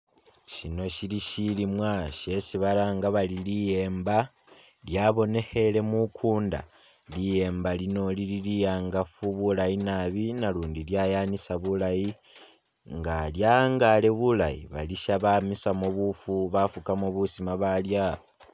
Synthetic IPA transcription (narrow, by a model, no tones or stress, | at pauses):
ʃino̞ʃiliʃilimwaʃe̞siβalaːŋɡaβalilije̞ːmba | ljaβo̞ne̞he̞le̞mukʰuːnda̰ | lije̞ːmbalino̞lililijaːŋɡafuβulajinaβinaluːndiljajanisaβulaji | ŋɡaljaŋɡale̞βulajḭβa̰liʃaβamisamoβufuβafukamoβusimaβalja